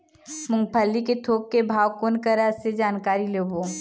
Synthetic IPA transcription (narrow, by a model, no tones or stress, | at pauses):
mʊ̃ŋɡ̚pʰəlːiket̪ʰoːp̚kebʱaːwkoːnkəɾəsed͡ʒaːnkaːɾileːboː